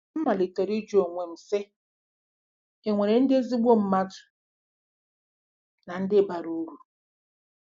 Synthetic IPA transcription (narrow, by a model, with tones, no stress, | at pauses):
m̩˦ma˨li˨tɔ˨ɾi˦d͡ʒo˨ŋʷe˨m̩˨se˦ | e˨ŋʷe˨ɾe˨n̩˦dɪ˦e˦zi˦ɡ͡bo˦m̩˦ma˦dʊ̥˨ | na˨n̩˦dɪ˦ba˨ɾu˦ɾu˨